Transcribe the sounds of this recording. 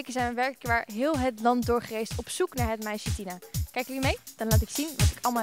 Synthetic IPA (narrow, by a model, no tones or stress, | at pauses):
kəzɛjnʋəʋɛɹkəkʋaːɹɦɪːlˠɦətlɑnt̚dʊːɹχərejstɔpsuknaːɹɦətmɛjʃətinakɛjkiːɹmejd̥ɑnlaːtɪksinʋɑtɪkɑlˠma